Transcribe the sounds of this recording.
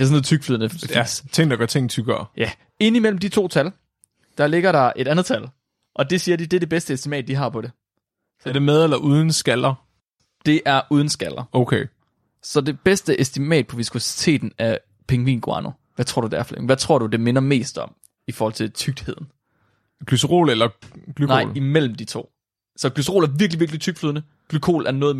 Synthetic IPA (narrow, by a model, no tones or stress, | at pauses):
esɔnð̩ˠt͡sʰyɡ̥flyðˠnət͡sʰe̝ŋ̰d̥ɑɡ̥ɶɐt͡sʰe̝ŋ̰̩t͡sʰyɡ̥ɐːjæ | e̝n̰imel̰m̩d̥it͡sʰo̝̰ːt͡sʰæl | d̥ɑ̈le̝ɡ̥ɐɾɑ̈ʔe̝ɾænð̩ˠt͡sʰæl | ʔɒ̽d̥e̝siːɐd̥id̥eɐd̥e̝b̥esd̥əesd̥imɛ̰ːd̥̚ːiɦɑ̈pʰɒ̽ɾe̝ | æd̥emeðˠelɐʔuːð̞ˠn̩sɡ̥ælɐ | d̥e̝ʔæɐʔuːð̞ˠn̩sɡ̥æl̰ɐoʊkʰe | sɒ̽d̥e̝b̥esd̥əʔesd̥imɛ̰ːd̥̚pʰɒ̽ʋisosi̥t͡sʰe̝̰ːd̥n̩æɐ | pʰeŋʋḭːnɡ̥oɑ̰no | ʋæt͡sʰʁo̝ɐ̰dud̥æɐflḛŋ̩ʋæt͡sʰʁo̝ɐ̰ɾ̥ud̥e̝menɐme̝̰ːsd̥ɒ̽m̰ | ifɔːhɒlt͡sʰe̝lt͡sʰyɡ̥̚d̥he̝ð̞̰ˠn̩ | ɡ̥lysʁo̝̰ːlelɐɡ̥lyknɑ̈ɪlimel̰m̩d̥it͡sʰo̝̰ː | sɒ̽ɡ̥lysʁo̝ːlæɐʋiɐɡ̥liʋiɐɡ̥lit͡sʰyɡ̥fløðˠnə | ɡ̥lykʰo̝̰ːlʔæɐnɔ̽ːð̩ˠ